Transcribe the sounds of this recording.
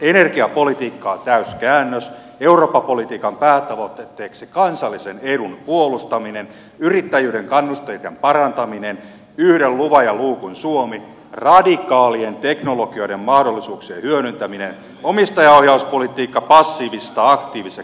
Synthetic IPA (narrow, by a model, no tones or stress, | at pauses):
enerkiɑpolit̪iːkːɑːt̪æyskæːnːøs | euroːpːɑpolit̪iːkɑmpæːt̪ɑʋot̪ːet̪ːeːksikɑnsɑlːiseneɾunpuolust̪ɑminen | yrit̪ːæjyːɾeŋkɑnːust̪ejt̪empɑrɑnt̪ɑminen | yhɾelluʋɑjɑluːkunsuomi | rɑdikɑːlient̪eknolokio̞jdemmɑhdolːisuːksiehyøɾynt̪æminen | omist̪ɑjɑohjɑuspolit̪iːkːɑpɑsːiːʋisest̪ɑɑkt̪iːʋise